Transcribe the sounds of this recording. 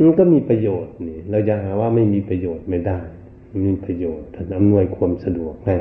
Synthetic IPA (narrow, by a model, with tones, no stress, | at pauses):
ma˧˨nka˧˥˩miː˧˥˨pa˧joː˨˩t̪̚niː˨˦lɛː˧˩wt͡ɕa˧ɦaː˨˦waː˧ma˥˩jmiː˧˥pa˧joː˨˩t̪̚ma˧˩jda˧˥˩j | miː˧˩˨pa˧joː˨˩t̪̚ːa˧nʔa˧˨mnu˧˩əjkʰu˧əmsa˧du˨˩ək̚na˧˩j